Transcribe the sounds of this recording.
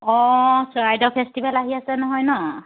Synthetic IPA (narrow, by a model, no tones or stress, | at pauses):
ɔsɔɹajdɔpʰɛstibɛlaɦiasɛnɔɦɔjnɔ